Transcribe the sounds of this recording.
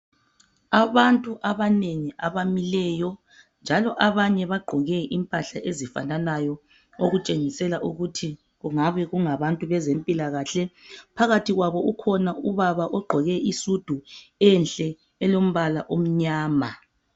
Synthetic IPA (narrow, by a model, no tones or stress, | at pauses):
aβantʼuʔaβaneŋiʔaβamilɛːjɔ | nd͡ʒʱalɔʔaβaɲɛβaɡ͡ǃʱɔɣɛʔimpʼaɬaʔezifa̰nanajɔ | oɣut͡ʃʼeŋisɛlaʔuɣutʰi | ɣuŋaβɛɣuŋaβantʼuβɛzempʼilaɣaːɬɛpʰaɣatʰiɣwaβɔʔukʰɔnauβaβaʔɔɡ͡ǃʱɔɣɛʔisud̥ʱuɛnɬʼɛː | lom̩βala̰ʔom̩ɲaːma